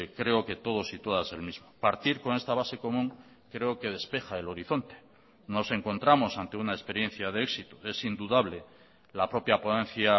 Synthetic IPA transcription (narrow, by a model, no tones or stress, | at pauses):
kɾe̞oke̞t̪o̞ð̞o̞sit̪o̞ð̞ase̞lmizmopaɾt̪iɾko̞ne̞st̪aβase̞ko̞mũŋ | kɾe̞o̞ke̞ð̞e̞spe̞xae̞lo̞ɾiθo̞nt̪e̥ | no̞se̞ŋko̞nt̪ɾamo̞sant̪e̞unaespe̞ɾje̞n̟θjaðeeksit̪ue̞sind̪uðaβ̞le̞ | lapɾo̞pjaponen̟θja